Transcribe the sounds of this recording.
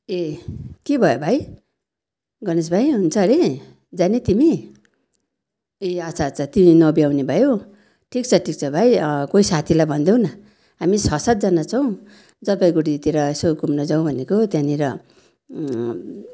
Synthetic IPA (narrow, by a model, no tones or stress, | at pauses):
ekebʱʌjobʱaj | ɡʌnes̬bʱajɦunt͡sʰʌɾe | d͡zanet̪imi | eat͡sʰat͡sʰʌt̪iminʌbjawnebʱʌjo | ʈʰik̚t͡sʰʌʈʰik̚t͡sʰʌbʱajkoisat̪ʰilajbʱʌnd̪ew̃nʌ | ɦamisʌsat̪̚d͡zʌnat͡sʰʌw̃ | d͡zʌpaj̃ɡoɽit̪eɾʌesokumnʌd͡zaw̃bʱʌnekot̪jãniɾʌ